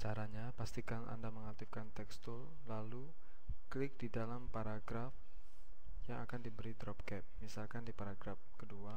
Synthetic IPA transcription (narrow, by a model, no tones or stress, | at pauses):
t͡ʃaɾaɲapast̪ikanʔa̰ndaməŋat̪ɪfkant̪ɛkst̪ʊl | lalu | klɪk̚didalampaɾaɡɾaf | jaŋakandibəɾidɾɔp̚kɛp̚misalkandipaɾaɡɾafkədua